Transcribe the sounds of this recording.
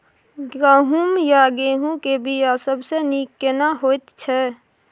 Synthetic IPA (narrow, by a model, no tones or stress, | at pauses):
ɡɾaɦumjaɡeɦũkebʱijasəbsenikːenaɦoːt̪t͡ʃʰɛ